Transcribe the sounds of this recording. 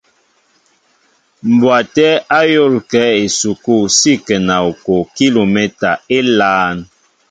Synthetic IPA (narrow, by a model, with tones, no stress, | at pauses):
m̩˨bwa˨tɛ˦a˦jo˦˨lkɛ˨˦e˨su˨ku˦˨si˦˨kɛ˨na˨o˨ko˨ki˦lo˨me˦ta˨e˦laː˦n